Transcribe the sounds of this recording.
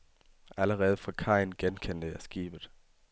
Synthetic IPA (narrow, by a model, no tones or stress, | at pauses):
æləʁɛːð̩ˠfʁɑ̈kʰɑ̈ɪnɡ̥enkʰen̰d̥əjɑsɡ̥ḭːb̥ð̩ˠ